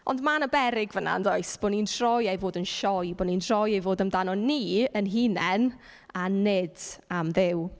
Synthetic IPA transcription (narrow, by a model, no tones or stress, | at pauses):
ɔndmanəbɛɾɪɡvəna̰ndɔɨsb̥oːnindʰrɔjejvoːdənʃɔjboːnindʰrɔjejvoːdəmdanɔniːənɦiːnɛn | anɪdamðɪw